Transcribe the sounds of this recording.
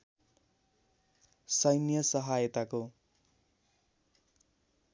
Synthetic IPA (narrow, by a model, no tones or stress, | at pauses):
sʌjnijʌsʌɦajʌt̪ako